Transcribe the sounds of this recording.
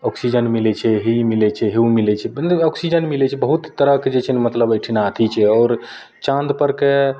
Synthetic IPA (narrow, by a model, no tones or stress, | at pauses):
ɔksid͡ʒənmilɛt͡ʃʰɛɦemilɛt͡ʃʰɛɦeumilɛt͡ʃʰɛnɔksid͡ʒənmilɛt͡ʃʰɛbəɦut̪t̪ːəɾəked͡ʒet͡ʃʰɛnmət̪ləbəjʈʰinaːt̪ʰit͡ʃʰɛɔːɾ | t͡ʃãnd̪pəɾke